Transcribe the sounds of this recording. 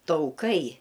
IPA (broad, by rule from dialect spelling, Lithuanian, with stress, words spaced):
tɐʊˈkɐɪ